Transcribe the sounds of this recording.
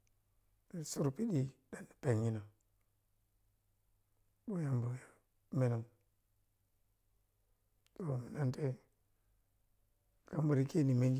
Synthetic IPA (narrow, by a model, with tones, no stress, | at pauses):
i˨su˦ɾpi˦ɗi˦da˨ni˨pe˨ŋːi˦na˨ | bo˦ja˨mbo˨ja˨ | me˦na˨ŋ | to˨mi˨na˦nte˦ | ka˦mbu˨ɾi˦ki˦ni˨me˦ŋɡ